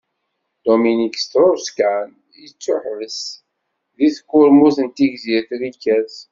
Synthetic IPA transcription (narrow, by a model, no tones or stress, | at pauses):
d̪̥ominiksθɾʊɾskan | jət͡sːʊħvəs | ðiθkːʊɾmuθənt̪iʝziɾθɾikːæz